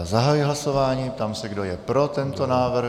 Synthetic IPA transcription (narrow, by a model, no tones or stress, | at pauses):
zaɦajiɦlaso̞vaːɲiːt̪amsɛɡdojɛpɾo̞t̪ɛnt̪o̞naːvr̩